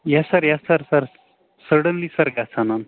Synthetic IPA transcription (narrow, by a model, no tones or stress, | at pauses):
jasaɾjasaɾsaɾ | səɽənlisaɾɡasʰanan